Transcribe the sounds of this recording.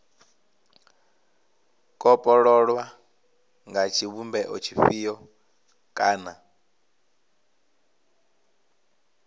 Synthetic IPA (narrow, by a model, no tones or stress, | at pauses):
kʼɔpʼɔɺɔɺwa | ŋɡat͡ʃʰiβumbɛʔɔt͡ʃʰifijɔ | kʼaːna